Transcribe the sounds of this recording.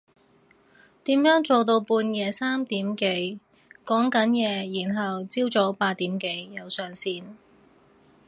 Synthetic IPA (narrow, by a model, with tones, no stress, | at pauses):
t̪iː˨˥mjœː˨˥ŋt͡so˨wt̪̬o˧wpuː˧njɛː˨˧saː˥mt̪iː˨˥mke˨˥j | kɔː˨˥ŋkɐ˨˥njɛː˨˧jiː˨˩nɦɐ˨wt͡siː˥wt͡so˨˥wpaː˧t̚t̪iː˨˥mke˨˥jjɐ˨˧wsœː˨ŋsiː˧n